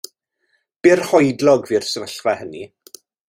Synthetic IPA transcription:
b̥ɪrhɔjdlɔɡvir̥səvəɬvɛhəni

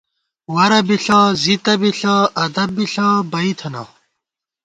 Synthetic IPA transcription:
wɐɾɐbiɬaːzit̪ɐbiɬaːɐd̪ɐb̚ːiɬaːbɐit̪ʰɐna̰ː

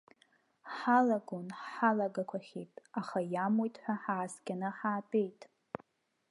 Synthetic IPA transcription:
ħalaɡonħalaɡakʷʰaχʲejtʼaχajamojtʼħʷᶣaħaːskʲanɨħaːpʼe̞jtʼ

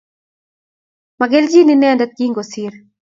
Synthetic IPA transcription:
maɡɛld͡ʒininɛndat̪̚ɡiŋɡosiɾ

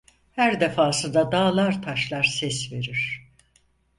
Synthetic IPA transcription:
hæɾd̪efaːsɯnd̪ad̪aːlˠaɾt̪ʰaʃlˠaɾsɛsve̞ɾiɾ̥

